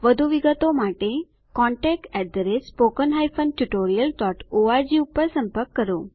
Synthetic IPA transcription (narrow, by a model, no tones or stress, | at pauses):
ʋəd̪ʱuʋiɡət̪omaʈe | kɔ̃ɳʈɛk̚ʈɛɖ̪ɾesːpokənɦajfʰənʈuʈoɾijəlt̪ɔʈoʋad͡ʒiupːəɾsəmpəɾkːəɾo